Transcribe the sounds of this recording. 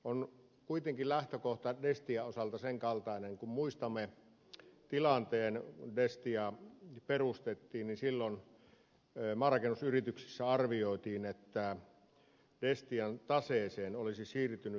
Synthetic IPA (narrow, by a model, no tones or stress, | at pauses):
on | kuit̪eŋkillæht̪økoht̪ɑdest̪iæosɑlt̪ɑseŋkɑlt̪ɑˑineŋkummuist̪ɑmːe | t̪ilɑnt̪eːnundest̪iɑperust̪et̪ːiːnninsilːon | mɑːrɑkenusyrit̪yksi̥sːæɑrʋioˑit̪iːnet̪ːæ | dest̪iɑnt̪ɑseːseːnolisisiːrt̪yny